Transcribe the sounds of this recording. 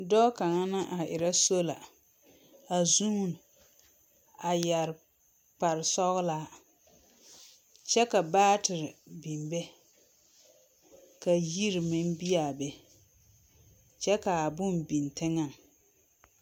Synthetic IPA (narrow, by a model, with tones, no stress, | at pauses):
dɔ˦ka˨ŋa˦nɨ˦ʔa˨ʔɪ˨ɾa˦so˦la˨ | a˨zu˦n˨ | a˨ja˨ɾ | k͡pa˨ɾɪ˨sɔ˦ɣʊ˦laː˦ | t͡ʃɛ˦ka˨baː˦tɪ˨ɾɪ˨bi˨mbɛ˦ | ka˨ji˦ɾmɪ˦n˦bi˦a˨bɛ˨ | t͡ʃɛ˦ka˨a˨bʊ˦mbi˨ntɪ˦ŋa˨ŋ